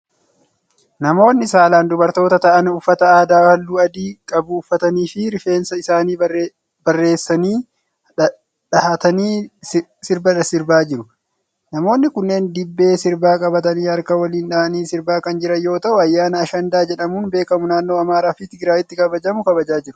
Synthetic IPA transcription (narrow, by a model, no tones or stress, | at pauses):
nɐmo̞ːnːɪsaːlaːnd̪ʊbɐɾt̪o̞ːt̪ɐt̪ɐʔɐnʊfːɐt̪ɐaːd̪aːhɐlːuːɐd̪iːkʼɐbʊʊfːɐt̪ɐniːfɪɾɪfe̞ːnsɐɪsaːniː | bɐrːe̞ːsːɐniː | ᶑɐhɐt̪ɐniː | sɪɾbɐᶑɐsɪɾbaːd͡ʒɪɾʊ | nɐmo̞ːnːɪkʊnːeːnd̪ɪbːe̞ːsɪɾbaːkʼɐbɐt̪ɐniːhɐɾkɐwɐliːnᶑɐʔɐniːsɪɾbaːkɐnd͡ʒɪɾɐjo̞ːt̪ɐʔʊɐjːaːnɐːʃɐnd̪aːd͡ʒɛᶑɐmuːnbe̞ːkɐmʊnaːnːoːɐmaːɾaːfɪt̪ɪɡɪɾaːʔɪt̪ːɪkɐbɐd͡ʒɐmʊkɐbɐd͡ʒaːd͡ʒɪɾʊ